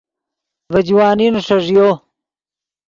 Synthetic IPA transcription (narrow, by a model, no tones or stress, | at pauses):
vɐd͡ʑwaːninʂɐʐjo